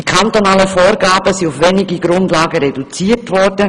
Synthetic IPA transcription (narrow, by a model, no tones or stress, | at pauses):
d̥ikʰant̪onaːləfoːɾɡaːbəsiʊfʋɛniɡiɡɾʊndlaːɡəɾedut͡siːətʋɔɾdə